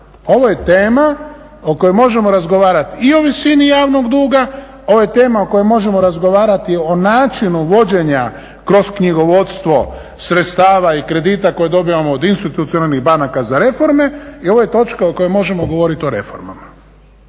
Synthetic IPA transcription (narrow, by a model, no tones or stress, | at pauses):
o̞ʋoje̞t̪eːma | oko̞jemo̞ʒe̞mo̞ɾazɡo̞ʋaːɾat̪iio̞ʋisinijaːʋno̞ɡd̪uːɡa | oʋojet̪e̞ːmaoko̞jemo̞ʒe̞mo̞ɾazɡo̞ʋaːɾat̪ionaːt͡ʃinuʋo̞d͡ʑe̞ɲa | kɾo̞skɲiɡo̞ʋo̞t̪st̪ʋo̞ | sɾet̪st̪aːʋaikɾe̞d̪it̪ako̞jed̪o̞biʋamoːd̪inst̪it̪ut̪sionalniɣbanakazaɾe̞fo̞ɾme̞io̞ʋoje̞t̪o̞t͡ʃkaoko̞jemo̞ʒe̞moɡo̞ʋo̞ɾit̪io̞ɾe̞̰fo̞̰ɾma̰ma